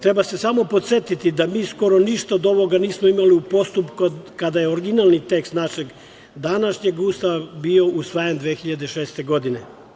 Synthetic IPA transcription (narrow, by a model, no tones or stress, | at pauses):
t̪ɾe̞base̞samo̞po̞t̪se̞t̪it̪id̪amiːsko̞ɾoniʃt̪aod̪o̞ʋo̞ɡaniːsmoimaliupo̞st̪upkokad̪ajeoɾɡinalˠnit̪e̞kst̪naʃeɡ | d̪anaʃɲeɡuːst̪abio̞ʔusʋajend̪ʋeːxiʎad̪eʃeːst̪e̞ɡo̞d̪ine